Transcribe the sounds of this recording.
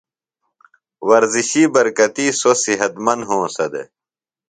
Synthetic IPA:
wɐɾziɕiːbɐɾkɐt̪iːsosiɦɐt̪mɐnɦõːsɐd̪ḛ

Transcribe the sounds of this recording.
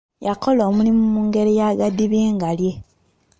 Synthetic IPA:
jako̞loːmulimumuːŋɡe̞ɾejaɡadiβeːŋɡalje̞

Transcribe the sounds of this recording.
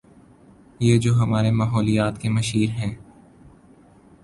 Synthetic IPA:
jeːd͡ʒoːɦɐmaːɾemaːɦɔːlijaːt̪kemɐʃiːɾɦɛ̃ː

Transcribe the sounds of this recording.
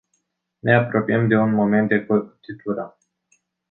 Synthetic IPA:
ne̞apɾo̞piəmd̪e̞unmo̞me̞nt̪̚d̪ekot̪it̪uɾə

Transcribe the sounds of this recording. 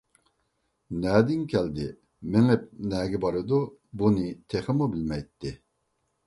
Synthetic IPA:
nɛːd̪ɪŋkʲʰɛld̪ɪ̰ | mɪŋɛp̚nɛːɡʲɛbɑɾɨd̪u | bunɪt̪ʰeχəmubɪlmɛjt̪ʰːɪ

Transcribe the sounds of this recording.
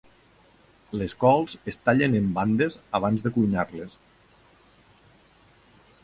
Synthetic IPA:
leskɔlˠzest̪aʎenemband̪ezaβ̞anzðekuɲaɾles

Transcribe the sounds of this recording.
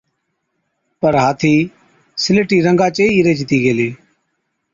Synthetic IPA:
pəɾɦaːt̪ʰiː | sɪleʈiːɾəŋɡaːt͡ʃeːiːɾeːd͡ʒɪt̪iːɡeːleː

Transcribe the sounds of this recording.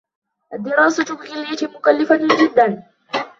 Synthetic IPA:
ʔad̪ːɪɾɑːsʊt̪ʊbɣɪlɪjat̪ɪmʊkalːɪfat̪ʊd͡ʒɪd̪ːan

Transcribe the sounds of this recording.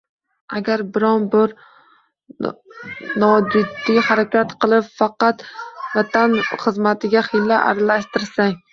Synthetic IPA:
aɡʲaɾbɪɾɒnbɪɾ | nɒd͡ʒɪd̪ːijhaɾakʲat̪qʰɨlˠɪpfɑqɑt̪vat̪ʰanχɨzmat̪ʰɪɡʲaχɪlːaʔa̰ɾalaʃt̪ɪɾsaŋ

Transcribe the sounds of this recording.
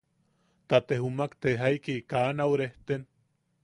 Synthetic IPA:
t̪at̪ehumakt̪eɦajkikaːnawɾeht̪en

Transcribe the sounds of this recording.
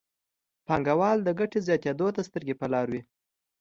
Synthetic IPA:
pɑŋɡawɑld̪əɡaʈezjɑt̪ed̪ot̪ast̪əɾɡepəlɑɾwi

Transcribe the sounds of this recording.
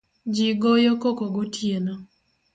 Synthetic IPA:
d͡ʒiɡojɔkokoɡotjena

